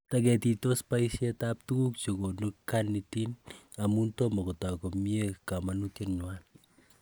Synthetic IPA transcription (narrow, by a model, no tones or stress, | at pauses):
takɛtitɔspajsjɛtap̚tukuk̚t͡ʃokonukːanːitinamuntɔmakɔtakɔmiekamanutjenɲwan